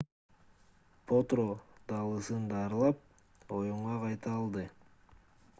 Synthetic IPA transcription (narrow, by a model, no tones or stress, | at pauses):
pʰot̪ɾod̪̥ɑlˠɯsɯnd̪ɑːɾlˠɑp̚ | o̞juɴʁɑqɑjt̪ɑːlˠd̪ɯ